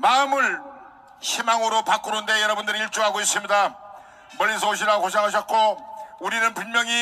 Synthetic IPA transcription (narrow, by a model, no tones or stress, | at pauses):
maɯmɯɭ | ɕʰimaŋɯɾopak͈uɾunde̞jʌɾʌbundɯɾiiɭt͡ɕ͈uɦaɡois͈imɲida | mʌɭːisʰoɕ̬ʰiɾakoɕ̬ʰaŋɦaɕ̬ʰʌt̚k͈ouɾinɯnpunmjʌŋi